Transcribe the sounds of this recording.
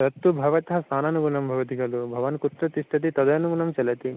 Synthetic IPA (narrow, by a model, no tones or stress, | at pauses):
ɐt̪ːubʱɐʋɐt̪ɐɦɐsnʰaːnanuɡunɐmbʱɐʋɐt̪iɡɐlubʱɐʋɐnkut̪ɾɐt̪isʈ̪ʰɐt̪̬it̪ɔd̪ɐjɐnuɡunɐmt͡ʃɐlɐt̪i